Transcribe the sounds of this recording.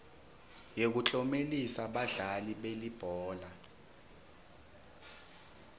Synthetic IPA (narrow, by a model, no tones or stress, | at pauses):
jek̬ut͡ɬʼɔmelisaɓaɮaliɓelib̥ʱɔːla